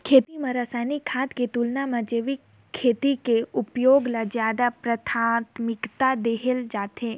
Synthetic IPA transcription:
kʰeːt̪imãɾəsaːnikʰãːt̪ket̪ulnamɐ̃d͡ʒeːʋikʰː | eːt̪ikeʊpjoːɡlazjaːd̪apɾət̪ʰaːt̪mɪkt̪ad̪eːɦeld͡ʒaːt̪ɦẽː

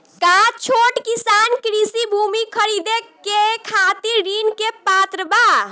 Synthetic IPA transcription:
kat͡ʃʰoʈkisankɾisibʱumikʰəɾid̪ekekʰat̪iɾɾinkepat̪ɾəba

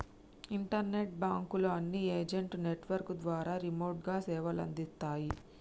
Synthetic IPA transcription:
iɳʈɐɾne̞ʈ̚baːŋkuloɐnːieːd͡ʒeɳʈneʈʋɐɾkd̪ʋaːɾaːɾimoːʈɡaːsɛːʋɐlɐ̰nd̪ist̪aːji

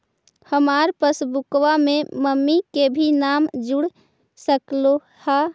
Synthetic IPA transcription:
həmaːɾpəsbʊkʋamẽməmːikebʱinaːmd͡ʒʊɽ | səklo | ha

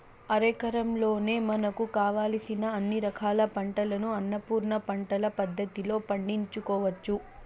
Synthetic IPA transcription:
ɐɾɐkɐɾɐmlo̞ːne̞ːmɐnɐkukaːʋaːlɐsinɐːnːiɾɐkʰaːlɐpɐɳʈɐlɐnuɐnːɐpuːɾnɐpɐɳʈɐlɐpɐd̪ːɐt̪ilo̞ːpɐɳɖiɲt͡ʃukɔːʋɐt͡ʃːu

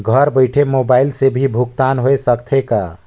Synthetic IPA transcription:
ɡʱəɾbəɪʈʰemobailsebʱibʱuk̚t̪anɦoesəkt̪ʰeka̰

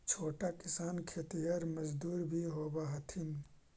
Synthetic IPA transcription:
t͡ʃʰoːʈakɪsaːnkʰet̪ijəɾməd͡ʒd̪uːɾbʱiɦobaɦət̪ʰin

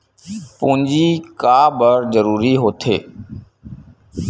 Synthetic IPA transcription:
pũːnd͡ʒiːkaːbəɾzəɾuːɾiːɦoːt̪ʰḛː

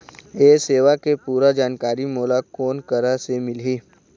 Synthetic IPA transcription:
eːseːʋakepuːɾad͡ʒaːnkaːɾimoːlakoːnkəɾasemɪliː

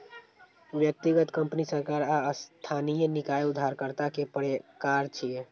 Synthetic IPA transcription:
ʋjək̚t̪iɡət̪kəmpnisəɾkaɾaəst̪ʰanijənikajud̪ʱːaɾkəɾt̪akepəɾekaɾt͡ʃʰie

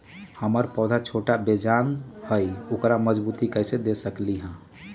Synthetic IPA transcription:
həməɾpɔːd̪ʱat͡ʃʰoːʈabed͡ʒaːnhəiʊkɾaməd͡ʒbuːt̪ikəjsed̪esəkliɦɛ̃ː

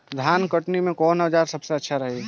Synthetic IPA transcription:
d̪ʱjaːnkəʈnimẽkɔːnɦəd͡ʒaːɾsɐbseɐtːʃʰaɾɐɦe

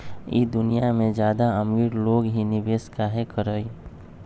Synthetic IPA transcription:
ḭːd̪ʊnijamẽd͡ʒjaːd̪aɐmiːɾloːɡɦinɪʋeːskaɦekəɾəi

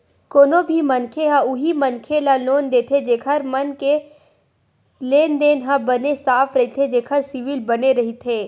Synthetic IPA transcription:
koːnõbʱimɐnkʰeɦãʊɦimɐnkʰelaloːnd̪eːt̪ʰed͡ʒeːkʰəɾmɐnke | leːnd̪eːnɦãbɐnesaːpʰɾɐɦit̪ʰed͡ʒeːkʰəɾsɪʋɪlbɐneɾɐɦit̪ʰeː

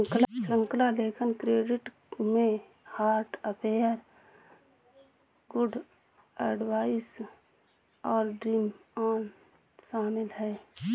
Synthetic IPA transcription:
ŋklsɾə̃ŋklaleːkʰənkɾeːɖɪʈ | mẽ | haːɾʈəpʰeːəɾ | ɡʊɖʱ | əɖwaːis | ɔːɾɖɾimaːn | ʃaːmɪlɦɛː

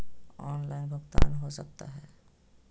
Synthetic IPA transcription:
ɔːnlaːɪnbʱʊɡt̪a̰ːnɦosək̚t̪a̰ɦɛː

